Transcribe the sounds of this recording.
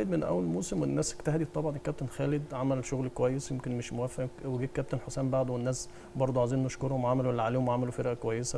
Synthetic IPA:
jd̪menʔæ̰wːælmoːsemwenːæːskt̪æhd̪it̪ˤːɑbʕɑnekæb̚t̪enxæːled̪ʕamælʃoɣlkowæjːesjomkenmeʃmowæfːæweɡiːkæb̚t̪enħosæːmbaʕd̪owenːæːs | bɑɾˤd̪ˤoʕaziːnoʃkoɾhomʕamæluwælːæʕaleːhomʕamælufeɾʔækowæjːesæ

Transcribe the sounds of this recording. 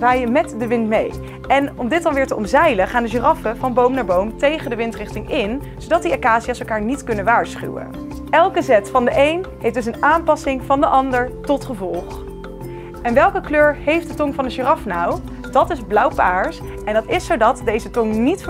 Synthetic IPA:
ʋaːjəmɛtdəʋɪntmḛj | ʔɛnɔmdɪtdɑnʋɪːɹtəʔɔmzɛjləχaːndəʒərɑfəvɑnbowmnaːɹbowmtejχəndəʋɪntrɪχtɪŋɪn | zowdɑtdiakaːziaːsɛlˠkaːɹnitkɵnənʋaːɹsχy̰wə̰ | ɛlˠkəzɛtfɑndəʔejnɦejfdɵs̬ənaːmpɑsɪŋv̥ɑndəʔɑndəɹtɔtχəvɔlˠχ | ʔɛnʋɛlˠkəkløːɹɦejfdətɔŋvɑnənʒərɑfnaw | dɑtɪzblʌwpaːɹs | ɛndɑtɪsːowdɑtdejzətɔŋnit

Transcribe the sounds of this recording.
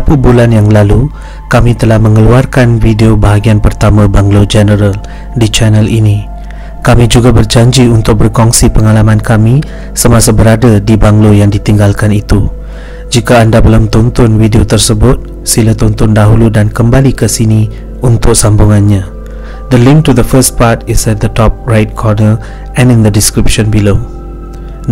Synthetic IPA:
apubulanjaŋlalu | kamĩt̪əlahmə̃ŋəluarkanvideobaɦaɡianpərt̪amãbaŋlod͡ʒɛnəɾal | dit͡ʃɛnəlʔini | kamĩd͡ʒuɡabərd͡ʒaɲd͡ʒiunt̪ʊk̚bərkɔŋsipəŋalamãnkamĩ | səmãsabəɾadadibaŋlojaŋdit̪iŋɡalkanit̪u | d͡ʒikaːndabəlumt̪unt̪ʊnwidiot̪ərsəbʊt̪̚ | silat̪unt̪ʊndaɦuludankəmbalikəsinĩ | unt̪ʊk̚sambuŋãnɲã | d̪əlɪ̃ŋk̚tuðəfəs̚patɪsɛt̪̚d̪ətɔp̚ɹajt̚kʰɔrnəl | ɛ̃nɪŋd̪ədiskɾipʃɔ̃nbilo

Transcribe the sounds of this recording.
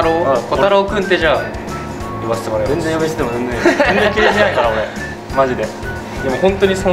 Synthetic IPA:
ɾokot̪aɾaokɯ̟̃nt̪ːe̞ʑaː | iβase̥t̪emaɾajenzẽjomest̪et̪emod͡zẽ̞nd͡zẽend͡zẽŋkʲiɾeʑinaikaɾaoɾe | maʑid̪e̞ | d̪e̞mo̞hõ̞nt̪oɲ̟iso

